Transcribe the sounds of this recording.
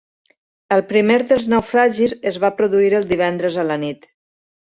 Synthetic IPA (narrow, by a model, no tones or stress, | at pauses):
əlˠpɾimeɾðəlˠznəwfɾaʒizəzβapɾuðuiɾəlˠd̪iβ̞ɛnd̪ɾəzələnit̪